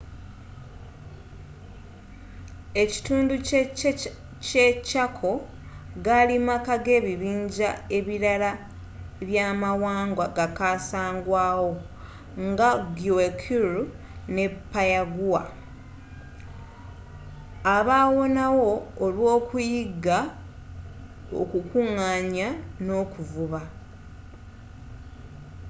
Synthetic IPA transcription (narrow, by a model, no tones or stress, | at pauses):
e̞ci̥tuːndu | cecakʰo̞ | ɡalimakaɡe̞ːβiβiːɲɟae̞βiɾala | βjaːmawaːŋɡwaɡakaːsaːŋɡwaːwo̞ | ŋɡaɡjuekʰuɾu | ne̞pːajaɡuwa̰ | aβaːwo̞nawo̞ːlwo̞ːkujiɡa | o̰kukuŋaːɲano̞ːkuvuβa